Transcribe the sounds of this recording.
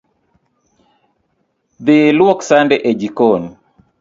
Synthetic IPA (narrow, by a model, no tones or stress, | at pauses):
ðɪlwɔksandɛʔɛd͡ʒikɔn